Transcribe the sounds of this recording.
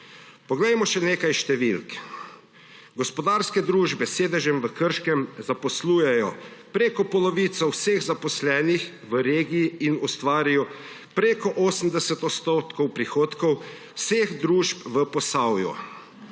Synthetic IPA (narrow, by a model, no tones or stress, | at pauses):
pɔɡlɛjmɔʃɛneːkajʃt̪ɛʋilk | ɡɔspɔd̪aɾskɛd̪ɾuːʒbɛseːd̪ɛʒɛmʋəkəɾʃkɛmzapɔsluːjɛjɔpɾeːkɔpɔlɔʋit̪sawseɣzapɔslɛːnix | ʋəɾeːɡiːinust̪ʋaːɾijɔ | pɾeːkɔʔoːsəm̩d̪ɛsɛt̪ɔt̪st̪oːt̪kɔwpɾixoːt̪kɔw | seɣd̪ɾuːʒpʋəpɔsaːwjṵ